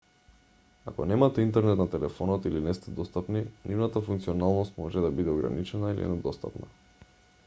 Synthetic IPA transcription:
akɔnɛmat̪ɛint̪ɛɾnɛt̪nat̪ɛlɛfɔnɔt̪ilinɛst̪ɛd̪ɔst̪apninʔivnat̪afuŋkt̪siɔnalˠnɔst̪mɔʒɛd̪abid̪ɛɔɡɾa̰nit͡ʃɛnailiɛ̰nɛd̪ɔst̪a̰pna̰

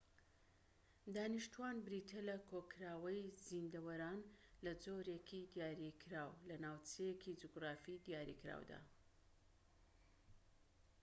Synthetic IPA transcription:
d̪aːniʃt̪uanbɾit̪ʰelɐkʰokɾaːwɐjzind̪ɐwɐɾaːnlɐd͡zoɾekʰid̪jaːɾikʰɾaːwlɐnaːwt͡sʰejekʰid͡ʒuɡɾaːfid̪ijaːɾḭkɾa̰ːwd̪a̰ː

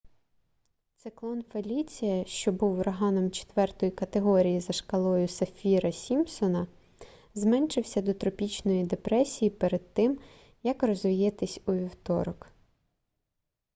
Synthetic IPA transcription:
t̪sɪklˠɔnfelʲit͡sʲijɐʃt͡ʃɔbuwɾɐɦɑnɔmt͡ʃe̥t̪ʋɛrt̪ɔjikɐt̪eɦɔɾʲijizɐʃkɐlˠɔjʊsɐfʲiɾɐsʲimsɔnɐ | zmɛnʃɪwsʲɐd̪ɔt̪ɾɔpʲit͡ʃnɔjid̪epɾɛsʲijipeɾed̪̚t̪ɪm | jɐkrɔzʋʲijɛt̪ɪsʲuʋʲiwt̪ɔ̰ɾɔk

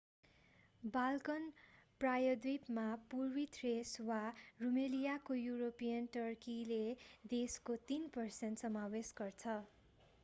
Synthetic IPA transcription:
balkʌnprajʌd̪wipmapurwit̪ʰreswarumelijakojuɾopijʌnʈʌrkiled̪eskot̪inpʌrsent̪sʌmawesɡʌrt͡sʰʌ

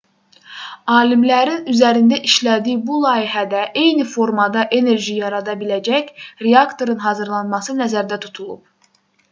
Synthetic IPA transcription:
ɑːlimlæɾinyzæɾind̪æʔiʃlæd̪iːbulˠɑːiɦæd̪æʔe̞jnifo̞ɾmɑd̪ɑʔe̞ne̞ɾʒijɑɾɑd̪ɑbilæd͡ʒæçɾeɑkt̪ʰo̞ɾɯnɦɑzɯɾlˠɑnmɑsɯnæzæɾd̪æt̪ʰu̥t̪ʰulˠṵp̚

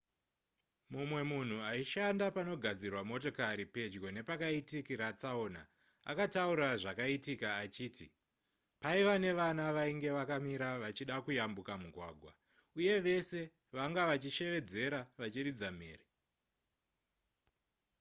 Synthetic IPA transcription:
mumwe̞mun̤uaiʃandapano̞ɡʱad͡zirwamo̞to̞kaɾipe̞d͡ʒɡo̞ne̞pakaitikiɾat͡saona̰ | a̰katauɾaʐakaitikaːt͡ʃiːti | paiʋane̞ʋanaʋaiŋɡe̞ʋakamiɾaʋat͡ʃiɗakujambukamuɡʱwa̰ːɡʱwa̰ | uje̞ʋe̞se̞ | ʋaŋɡaʋat͡ʃiʃe̞ʋe̞d͡ze̞ɾaʋat͡ʃirid͡zam̤eːri

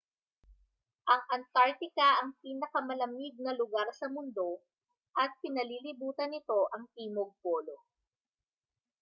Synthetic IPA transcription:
ʔɐŋʔɐnt̪aɹt̪ɪkɐʔɐŋpiːnɐkɐmɐlɐmɪɡ̚nɐlʊɡaɾsɐmʊnd̪o̞ | ʔɐt̪̚pɪnɐlilɪbuːt̪ɐnɪt̪o̞ʔɐŋt̪iːmoɡ̚poːlo

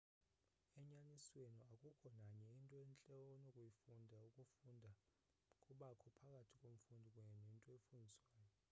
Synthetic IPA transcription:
ɛɲaniswenuakʼukʰɔnaɲɛintʼɔent͡ɬʼɔnokʼujifundʱaukʼufundʱa | kʼuɓakʰɔpʰakʼatʰikʼom̩fundʱikʼwenuintʼɔefundʱiswaːjɔ

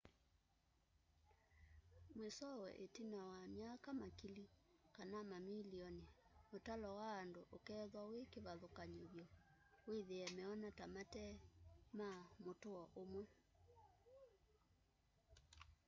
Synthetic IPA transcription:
mwesɔwɛ̰ʔetinawamjakamakilikanamamiliɔnemotalɔwaːndoʔokɛðwawekeβaðokaɲoβjɔ | weðeɛmɛɔnatamatɛmamotoɔʔomwɛ

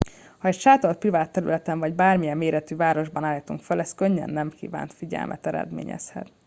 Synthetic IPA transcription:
hɒɛcʃaːt̪olt̪privaːt̪ːɛɾy̰lɛt̪ɛɱvɒɟbaːrmijɛmːeːɾɛt̪yːvaːɾo̞ʒbɒnaːlit̪uŋkfølɛst̪køɲːɛ̰nːɛmkḭːva̰ːnt̪fiɟɛ̰lmʔɛ̰t̪ɛɾɛ̰d̪mḛːɲɛ̰shɛ̰t̪

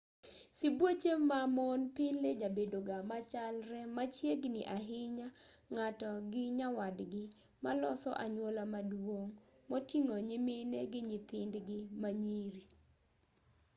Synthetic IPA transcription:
sɪbwot͡ʃemamɔnpɪled͡ʒabedoɡamat͡ʃalɾɛmat͡ʃjeɡnɪ̰ʔaɦɪɲaŋatɔɡɪɲawadɡɪ | malɔsɔ̰ʔaɲwolamadwoŋ | motiŋoɲemeneɡɪɲɪt̪ɪndɡɪmaɲiɾi

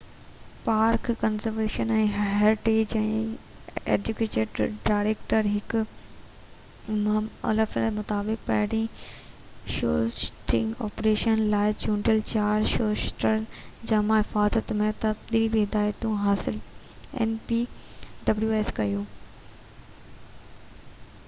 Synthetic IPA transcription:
paːɾkːɐnzəɾʋeːʃənɛ̃ːɦeɾɪʈeːd͡ʑɛ̃ː | ḛːd͡ʑʊkeːʈeːɖɖaːɪɾeːkʈəɾɦɪk | mɐ̰ləfmʊt̪aːbɪk̚pɐ̰ːɽĩ | ʃoːʃʈɪ̃ŋɡɔːpɾeːʃənlaːɪd͡ʑũːɳɖelt͡ɕaːɾʃoːʃʈəɾd͡ʑɐmãɦɪfaːzət̪mẽt̪ɐbd̪iːlibiɦɪd̪aːjt̪ũɦaːsɪl | ɛ̰npiːɖɐbljuːeːskɐjũː

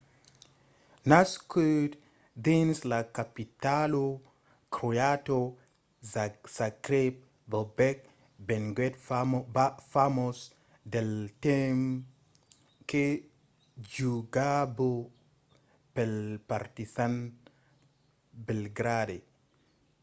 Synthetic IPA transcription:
naskut | d̪inslakapitalo | kɾojato | sakɾep̚ | bobɛk̚ | bɛnɡɛtafamos | deltem | ke | d͡ʒuɡabo | pelpaɾtisan | belɡɾade

